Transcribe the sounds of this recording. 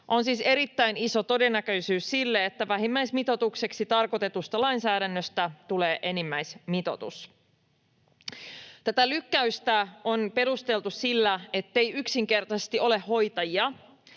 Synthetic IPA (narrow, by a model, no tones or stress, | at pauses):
ʔo̞nsiːse̞ɾit̪ːæjniso̞t̪o̞de̞nːækø̞isyːssilːeet̪ːæʋæɦimːæjsmit̪o̞t̪ukse̞ksit̪ɑrko̞t̪e̞t̪ust̪ɑlɑjnsæːɾænːøst̪æt̪ule̞ːʔe̞nimːæjsmit̪o̞̰t̪us | t̪æt̪ælykːæyst̪æonpe̞ɾust̪e̞lt̪ussilːæe̞t̪ːe̞jyksiŋk̟e̞rt̪ɑsest̪iʔo̞le̞ho̞jt̪ɑjiɑ